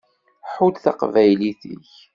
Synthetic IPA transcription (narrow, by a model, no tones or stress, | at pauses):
ħulθa̰qvæjliθḭç